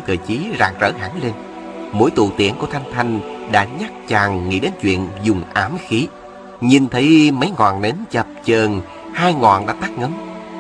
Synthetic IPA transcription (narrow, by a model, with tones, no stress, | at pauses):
t̪ʰəː˨˩jt͡ɕi˨˦zaː˨˩k̚zə̰ː˧˩ɦaː˧˩ŋle˧n | mo̰˧˥˦jt̪ṵ˧˨t̪ḭ˧˩ənku˧˩ət̪ʰa˧jŋ̟t̪ʰa˧jŋ̟ɗa̰ː˧˥ɲa˦˥k̚t͡ɕaː˨˩ŋŋḭ˧˥ɗe˨˦nt͡ɕwḭ˧˨ənzʊ˨˩ŋ͡mʔaː˨˦mxi˨˦ | ɲi˨˩nt̪ʰə˨˦jmə˨˦jŋwa̰ː˨˩nɗe˨˦nt͡ɕə˨˩p̚t͡ɕəː˨˩n | haː˧jŋwɔ̰ː˧˨nɗa̰ː˧˥t̪aː˦˥k̚ŋə˨˦n